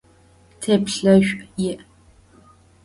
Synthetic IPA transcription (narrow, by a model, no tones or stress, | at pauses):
tʰeːpɬɐʒᶣʷjɪʔ